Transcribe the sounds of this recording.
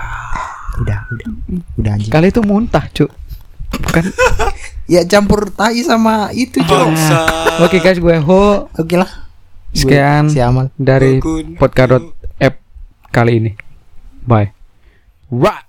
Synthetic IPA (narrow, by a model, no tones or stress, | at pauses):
udahudaudahd͡ʒikaliit̪umunt̪aht͡ʃuʔ | bukan | jat͡ʃampurt̪aisamait̪ut͡ʃuaokeɡasɡuɛɦookelahskeansiamaldaɾipɔt̪̚kadɔt̪̚ɛp̚ | kaliːni | baɛ | wa